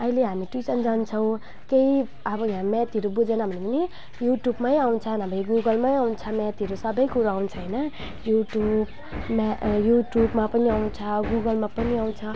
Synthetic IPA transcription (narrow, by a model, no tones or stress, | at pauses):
ʌɦileɦamiʈwisʌnd͡zant͡sʰʌw̃ | kei | abʌjɦãmɛt̪iɾubud͡zenabʱʌnepani | juʈjubmajaw̃nt͡sʰʌnãmiɡuɡʌlmaiaw̃nt͡sʰʌmɛt̪iɾusʌbʌjkuɾaaw̃nt͡sʰʌɦinʌ | juʈjub | mjuʈjubmapʌniaw̃nt͡sʰʌɡuɡʌlmapʌniaw̃nt͡sʰʌ